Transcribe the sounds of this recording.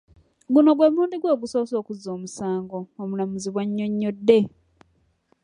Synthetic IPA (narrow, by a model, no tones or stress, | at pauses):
ɡuno̞ɡwemuuːndiɡwoːɡuso̞ːso̞ːkuzːo̞ːmusaːŋɡo̞omulamuziβwaɲːo̞ɲːo̞dːe̞